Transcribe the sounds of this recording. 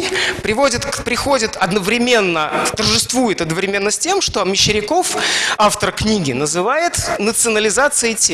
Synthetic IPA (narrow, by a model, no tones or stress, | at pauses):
pɾʲɪvo̞dʲɪt̪pɾʲɪxo̞dʲɪt̪ɐd̪nəvɾʲɪmʲe̞nːət̪ərʐɨst̪vujɪt̪ɐd̪nəvɾʲɪmʲe̞nːəsʲtʲe̞mʂt̪oɐmʲɪɕːɪɾʲɪko̞faft̪ərknʲiɡʲɪnəzɨvajɪt̪nət̪sɨənəlʲɪzat̪sɨɪtʲe